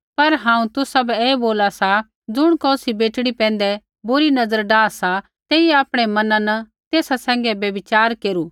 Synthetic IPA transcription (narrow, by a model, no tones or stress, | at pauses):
pɐɾɦãːũt̪ʊsabɛeːboːlasa | d͡zʊɽ̃kɔːsibeːʈɽ̃ipɛ̃ːn̆d̪ɛ | bʊɾinɐzəɾɖaːsa | t̪eːiɛaːpɽ̃ɛmɐnãnɐ | t̪eːsasɛ̃ːŋ̆ɡɛbjɐbɪt͡ʃaːɾkeːɾuː